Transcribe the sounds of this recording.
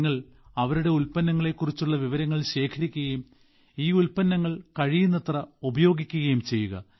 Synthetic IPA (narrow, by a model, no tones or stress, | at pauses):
ŋːɐɭ | ɐʋɐɾuɽe̞ulpɐnːɐŋːɐɭe̞kːurit͡ɕːuɭːɐʋiʋɐɾɐŋːɐɭɕe̞ːkʰɐɾikʲːuɣɐjum | iːulpɐnːɐŋːɐɭkɐɻijunːɐt̪rɐubɐjo̞ːɡikʲːuɣɐjumt͡ɕe̞jːuɣɐ̰